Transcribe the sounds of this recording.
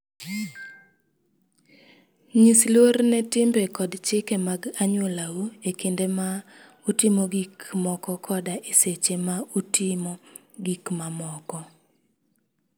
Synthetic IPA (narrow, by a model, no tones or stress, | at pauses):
ɲislwornɛtɪmbekɔdt͡ʃɪkɛmaɡaɲwolawuekindema | utɪmoɡikmɔkɔkʰɔdaʔeset͡ʃemautɪmo | ɡikmamɔkɔ